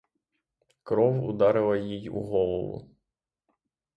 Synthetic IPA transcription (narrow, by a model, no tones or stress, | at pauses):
kɾɔwʊd̪ɑɾɪlˠɐjijṵɦɔlˠɔʋʊ̰